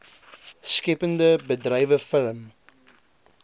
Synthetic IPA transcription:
skɛpəndəbədrɛjvəfələm

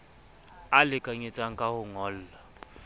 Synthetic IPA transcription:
alɪkʼaɲet͡sʼaŋ̩kʼahʊŋɔːl̩ːla

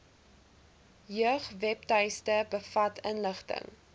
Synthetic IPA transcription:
jœəχvɛptɐjstəbəfɐtʰənləχtə̰ŋ

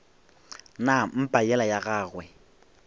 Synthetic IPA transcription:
nam̩pʼajɛlajaɣaːɣwɛ

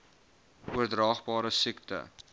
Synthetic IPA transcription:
uərdrɑːχbɑːɾəsiktə̰

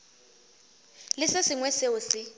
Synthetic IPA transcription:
lɪsɪsɪŋwɛseʊsɪ

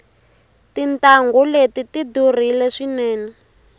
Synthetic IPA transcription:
tintaŋɡɔletitidur̤ilɛʂinɛːnɛ

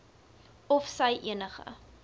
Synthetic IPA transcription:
ɔfsəjʔḭənəχə̰

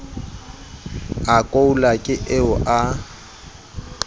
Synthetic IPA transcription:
akʼoulakʼɪʔeʊʔa

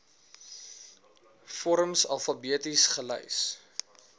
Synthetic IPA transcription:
fɔɾəmsɐlˠfɐbiətisχələ̰js

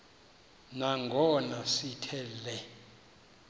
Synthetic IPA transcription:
naŋɡʱɔnasitʰɛlɛ

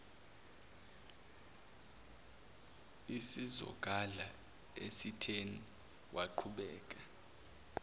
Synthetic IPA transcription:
isizɔ̰k̬ʼaɮa | esitʰeni | wʔaǃʰuɓɛːk̬ʼa

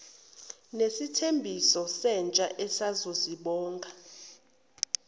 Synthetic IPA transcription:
nesitʰembʱisɔsɛnt͡ʃʼaʔɛsazoziɓɔːŋɡʱa

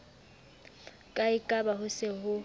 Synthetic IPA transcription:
kʼaɪkʼabahʊsɪhʊ

